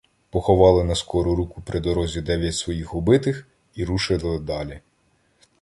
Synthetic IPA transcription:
pɔxɔʋɑlˠɪnɐskɔɾʊɾukʊpɾʔɪd̪ɔɾɔzʲid̪ɛʋʲjɐtʲsʋɔjixɔbɪt̪ɪx | iɾuʃɪlˠɪd̪ɑlʲi

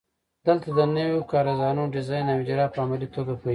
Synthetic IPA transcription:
d̪̥əlt̪ad̪ənəwokɑɾazɑnuɖɪzɑjnawd͡ʒɾɑpəamalit̪oɡapoi

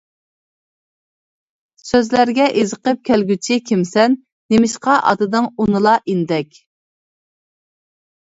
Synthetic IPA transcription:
søzlæɾɡʲɛʔezəqəp̚kʲʰælɡʲyt͡ʃʰɪkʲʰimsɛnː | emɪʃqɑʔɑ̰d̪ɨd̪ɨŋunɨlˠɑʔind̪ɛkʲ

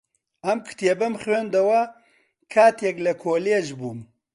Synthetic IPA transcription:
ɐmkʰɨ̥t̪ʰjebɐmχweːnd̪ɐwɐ | kʰaːt̪jɛklɐkʰoːleʒbuːm

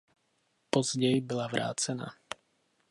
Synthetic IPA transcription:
pɔzɟɛjbilaʋɾʔa̰ːt͡sɛna̰ː

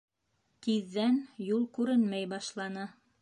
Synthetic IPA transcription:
t̪iðːænjulˠkʉɾɘnmæjbɑʃlˠɑnɤ

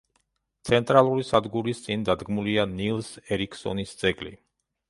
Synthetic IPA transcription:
t̪sʰɛnt̪ʼɾalˠuɾisad̪ɡuɾist̪sʼind̪ad̪ɡmulianilˠsɛɾikʰsɔ̰nisd̪z̥ɛɡlḭ

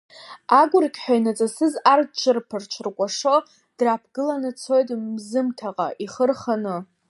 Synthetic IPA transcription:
aɡʷʊrkʲʼħʷᶣainat͡sʼasɨzart͡ʃʷʰʼɨrpʰɨrt͡ʃʷʰrkʷʼaʂo | d̥rapʰɡɨlanɨt͡sʰo̞jtʼmzɨmtʰaqʼa̰ʔiχərχanɨ

